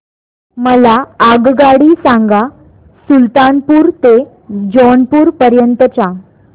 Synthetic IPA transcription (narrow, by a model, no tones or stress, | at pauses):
məlaːɡɡaɽiːsãŋɡa | sult̪anpuːɾt̪e | d͡ʑɔɳpuːɾpəɾjənt̪ət͡ɕa